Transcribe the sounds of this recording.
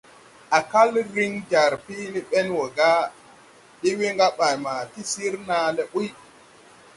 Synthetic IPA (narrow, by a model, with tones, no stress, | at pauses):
a˨ka˦lɾi˦ŋd͡ʒa˨ɾpi˦ni˦ɓe˦nwo˨ɡa˦ | ɗi˦wi˦ŋɡa˦ɓa˨jma˨ti˦si˦ɾna˨˦le˨ɓu˦j